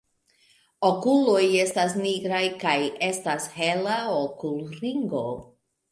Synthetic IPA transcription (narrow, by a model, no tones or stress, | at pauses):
okulo̞je̞stas̬niɡɾajkaje̞stashe̞laokulɾiŋɡo̞